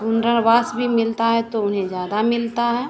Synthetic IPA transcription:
ʊnɾəɾbaːsbʱimɪlt̪aɦɛt̪oʊnɦẽd͡ʒjaːd̪amɪlt̪aɦɛ

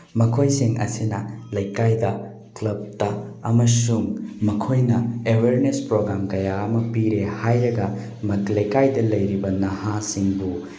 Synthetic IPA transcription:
mɐkʰojsiŋʔɐ̰sinɐlɐjkajdɐ | klɐb̚tɐɐmɐsuŋmɐkʰojnɐeweɾnespɾoɡɾamkɐjaɐmɐpiɾehajɾɐɡɐ | mɐtlɐjkajdɐlɐjɾibɐnɐhasiŋbu

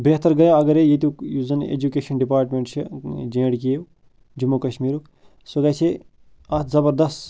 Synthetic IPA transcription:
beːɦt̪əɾɡɐjoɐɡɐɾejet̪ukjuzɐnḛd͡ʒukeːʃɐnɖipaːɾʈmeɳʈt͡ʃʰid͡ʒẽːɽki | d͡ʒumːukɐʃmiːɾuk | suɡɐsʰe | ɐt̪ʰzɐbɐɾd̪ɐst̪

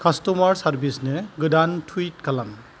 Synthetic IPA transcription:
kʰastɔmaɹsaɾbisnɯɡɯdantʰuit̚kalam

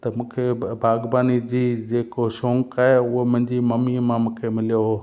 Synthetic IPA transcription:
t̪ɐmũːkʰebʱaːɡbaːnid͡ʑiːd͡ʑeːkosõːŋkaːɦeʊɦomʊ̃ɦɪ̃ɲd͡ʑimɐmimãmũːkʰemɪlijoɦoː

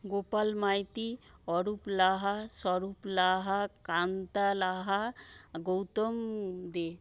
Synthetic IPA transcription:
ɡopalmajt̪iɔɾuplaɦasɔɾuplaɦakant̪alaɦaɡowt̪ɔmd̪e

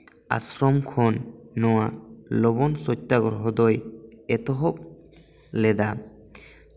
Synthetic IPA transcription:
a̰sɾɔmkʰɔnːɔwalɔbɔnsɔtːaɡɔɾɦɔd̪ɔjɛt̪ɔɦɔp̚ | lɛd̪a

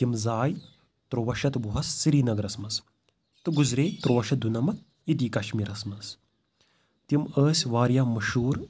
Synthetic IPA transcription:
t̪imzaːj | t̪ɾoːʋɐʃɐt̪buɦɐsːiɾiːnɐɡɐɾɐsmɐs | t̪ɨɡuzɾeːt̪ɾoːʋɐʃɐd̪unɐmɐ | id̪iːkɐʃmiːɾɐsmɐs | t̪iməːsʲʋaːɾjaːmɐʃuːɾ

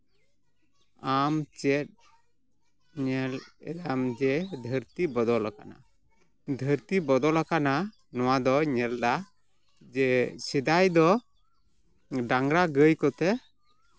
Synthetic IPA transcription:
amt͡ʃɛt̪̚ | ɲɛlɛ̰d̪amd͡ʒɛd̪ʱəɾt̪ibɔd̪ɔlaka̰na̰ | d̪ʱəɾt̪ibɔd̪ɔlakana | nɔwad̪ɔɲɛld̪a | d͡ʒɛsid̪ajd̪ɔ | ɖaŋɡɾaɡəjkɔt̪ɛ

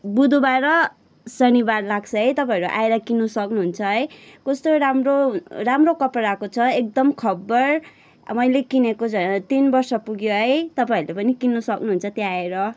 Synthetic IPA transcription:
bud̪ʱubaɾʌ | sʌnibarlaɡ̚t͡sʰʌɦʌjt̪ʌpaʌɾuʔa̰eɾʌkinːusʌknuɦunt͡sʰʌɦʌjkʌst̪oɾamroramrokʌpɾakot͡sʰʌek̚d̪ʌmkʰʌbːʌr | mʌjlekinekod͡zʱʌt̪inbʌrsʌpuɡjoɦʌjt̪ʌpaiɾulepʌnikinːusʌknuɦunt͡sʰʌt̪jeaeɾʌ

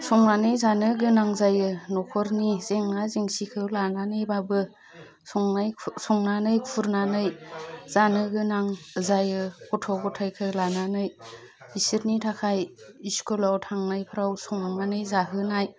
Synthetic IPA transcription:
sɔŋnanɯjzanɯɡɯnaŋzajɯnɔkʰɔɾnizeŋnaziŋsikʰɯwlananɯjbabɯ | ŋajsɔŋnanɯjkʰuɾnanɯjz̥anɯɡɯnaŋzajɯkʰɔtʰɔɡɔtʰajkʰɯlananɯj | isiɾnitʰakʰajiskʰɔlawtʰaŋnajpʰɯɾawsɔŋnanɯjzaɦɯnaj

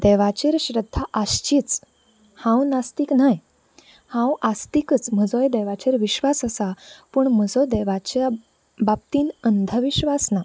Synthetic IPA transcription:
d̪ɛʋat͡ɕeɾɕɾəd̪ʱːaʔaɕt͡ɕiːt͡s | hãwnast̪iːknaj | hãwast̪ikət͡sm̤əd͡zojd̪ɛʋat͡ɕeɾʋiɕʋasəsapəɳməd͡zod̪ɛʋat͡ɕa | bap̚t̪iːnənd̪ʱəʋiɕʋasna

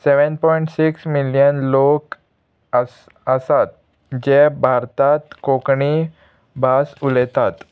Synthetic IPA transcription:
seʋənpɔiɳʈsiksmiljənlok | əs | əsat̪̚ | d͡ʑebʱaɾt̪at̪kokɳi | bʱasulɛt̪at̪

